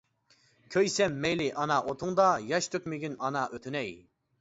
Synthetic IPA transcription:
kʲʰøjsɛmːɛjlɪʔɑnɑʔot̪ʰuŋd̪ɑjɑʃt̪ʰøkʲmɪɡʲynɑnɑʔøt̪ʰynɛj

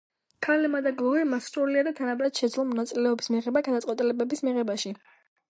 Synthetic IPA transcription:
kʰalɛmad̪aɡlˠɔvɛmasɾɔliad̪at̪ʰanabɾad̪̥ʃɛd̪zlˠɔmɔnat̪sʼilɛɔbismiʁɛbaɡad̪at̪sʼqʼwɛt̪ʼilɛbɛbismiʁɛbaʃi

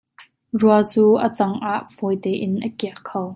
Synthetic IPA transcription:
ruɐt͡suːʔət͡sɐŋʔaːʔfɔjt̪ɛːʔɪnʔəkiəʔkʰːow

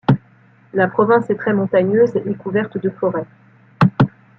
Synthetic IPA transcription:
lapχɔvɛ̃sɛt̪χɛmɔ̃t̪aɲøzekuvɛʁt̪d̪əfɔʁɛ

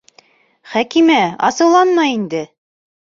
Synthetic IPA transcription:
χækimæɑ̰sɤ̆wlˠɑnmɑind̪ɘ

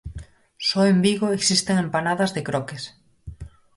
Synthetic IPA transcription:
sɔembiɣoeksist̪eŋempanaðɐzðekɾɔkes

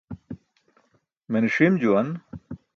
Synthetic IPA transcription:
meniʂimd͡ʑuwɐn

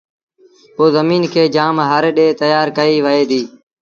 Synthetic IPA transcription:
poːzəmiːnkʰeːd͡ʒaːmɦaːɾɗeːt̪əjaːɾkəiːʋəeːd̪iː

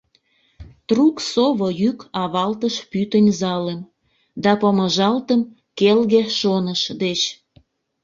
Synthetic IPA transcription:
t̪ruksoβojykɑβɑlt̪əʃpyt̪ənʲzɑlem | d̪ɑpəməʒɑlt̪əm | kelɣeʃonəʃd̪et͡ɕ

